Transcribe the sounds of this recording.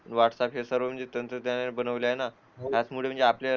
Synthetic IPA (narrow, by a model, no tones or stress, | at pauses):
əɳʋaʈsapjesəɾʋəm̤əɳd͡zet̪ənt̪ɾəd̪janabənəʋljaena | ɦjat͡smuɭem̤ə̃ɳd͡zeaplja